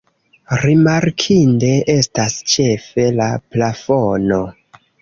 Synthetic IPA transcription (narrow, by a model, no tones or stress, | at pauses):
ɾimaɾkʰinde̞ʔe̞stast͡ʃe̞fe̞laplafono